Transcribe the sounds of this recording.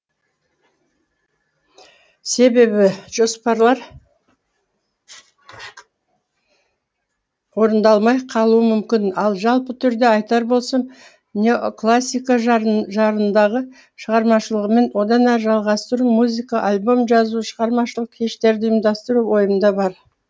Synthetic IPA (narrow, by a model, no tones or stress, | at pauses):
se̞be̞bɪʒ̥o̞spɑɾlˠɑɾ | wo̞ɾənd̪ɑlˠmɑjqʰɑlˠuəmʏmkʲɪnɑlˠʒɑlˠpət̪ʰʏɾd̪e̞ɑjt̪ɑɾbo̞lˠsɑm | nʲeoklˠasʲːijkaʒʒɑɾənd̪ɑʁə | ʃəʁɑɾmɑʃəlˠəʁəme̞nwo̞d̪ɑnæɾʒɑlˠʁɑst̪əɾumuzikaʔalʲbo̞mʒɑzuʃəʁɑɾmɑʃəlˠəqkʲʰe̞ʃt̪e̞ɾd̪ɪəmd̪ɑst̪əɾuwo̞jəənd̪ɑbɑɾ